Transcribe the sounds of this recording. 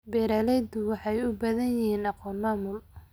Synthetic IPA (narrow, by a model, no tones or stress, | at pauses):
bɛːɾalɛd̪ʊwɑħɑjʊbɐðɐnjɪɦiːnɑqɔːnmaːmʊl